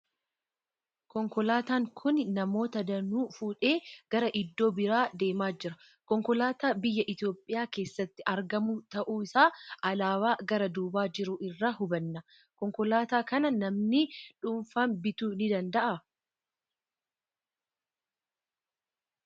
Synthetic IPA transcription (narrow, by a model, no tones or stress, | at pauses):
kɔŋkɔlaːt̪aːŋkʰʊnnɐmo̞ːt̪ɐd̪ɐnuːfuːᶑeːɡ̥ɐɾɐʔɪd̪ːo̞ːbɪɾaːd̪e̞ːmaːd͡ʒɪɾɐ | kɔŋkɔlaːt̪aːbɪjːɐʔɪt̪o̞ːpʼːɪjaːke̞ːsːɐt̪ːɪʔɐɾɡɐmut̪ɐʔuːɪsaːʔɐlaːwaːɡɐɾɐd̪uːbaːd͡ʒɪɾʊʔɪrːaːhʊbɐnːɐ | kɔŋkɔlaːt̪aːkɐnɐnɐmnɪᶑʊɱfambɪt̪uːnɪd̪ɐnd̪ɐʔɐ